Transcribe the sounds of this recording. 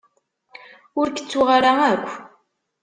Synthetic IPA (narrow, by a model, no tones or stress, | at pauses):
ʊɾkə̥t͡sːʊʁaɾaækʷː